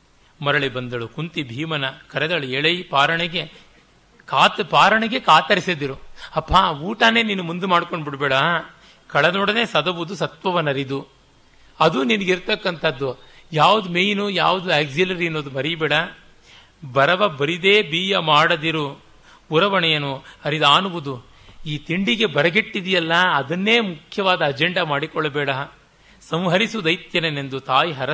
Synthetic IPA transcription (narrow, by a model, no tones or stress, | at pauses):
mɐɾɐɭibɐnd̪ɐɭukunt̪ibʱiːmɐnɐkɐɾɛd̪ɐɭueɭɐjpaːɾɐɳɐɡe | kaːt̪paːɾɐɳɐɡekaːt̪ɐɾisɐd̪iɾuɐpʰːaːuːʈɐne̞ːniːnumund̪umaːɽkoɳɖbiɽbɛːɽɐ | kɐɭɐd̪oːɽɐneːsɐd̪ɐʋud̪usɐt̪ʋɐʋɐnɐɾid̪u | ɐd̪uninɐɡiɾt̪ɐkːɐnt̪ʰɐd̪ːu | jaːʋud̪umejinujaːʋud̪ueːɡd͡ʒilɐɾiɐnːoːd̪umɐɾiɐbɛːɽɐ | bɐɾɐʋɐbɐɾid̪e̞ːbiːjɐmaːɽɐd̪iɾu | uɾɐʋɐɳɛjɐnuɐɾid̪aːnuʋud̪u | iːt̪iɳɖiɡe̞bɐɾɐɡeʈːid̪ijɐlːɐːd̪ɐnːe̞ːmukʰjɐʋaːd̪ɐːd͡ʒeɳɖɐmaːɽikɔɭːɐbɛːɽɐ | sɐ̃mɦɐɾisud̪ɐjt̪jɐnenend̪ut̪aːjiɦɐɾɐ